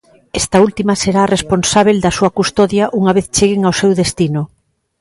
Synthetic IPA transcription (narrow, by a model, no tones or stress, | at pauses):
est̪ɐult̪imɐseɾaːresponsaβ̞eld̪ɐsuɐkust̪ɔðjaʔuŋaβ̞eθt͡ʃeɣeŋawsewðest̪inʊ